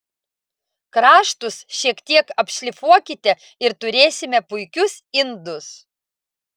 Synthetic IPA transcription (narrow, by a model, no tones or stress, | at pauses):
kɾɑːʃt̪ʊsʃʲiɛkt̪ʲiɛkɐpʲʃʲlʲɪfuɔkʲɪt̪ʲɛ | ɪɾt̪ʊɾʲeːsʲɪmʲɛpʊɪkʲʊsɪnd̪ʊs